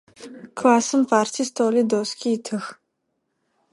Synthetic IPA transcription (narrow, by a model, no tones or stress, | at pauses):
kʰlaːsɨmpʰaːrtʰistʰoːlidoskʰʲiːtʰɨx